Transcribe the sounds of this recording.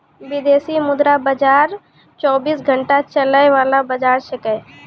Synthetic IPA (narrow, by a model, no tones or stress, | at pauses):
bɪd̪eːsimʊd̪ɾabəd͡ʒaːɾ | t͡ʃɔːbiːsɡʱə̃ɳʈat͡ʃələʋaːlabɐd͡ʒaːɾʃɪkəj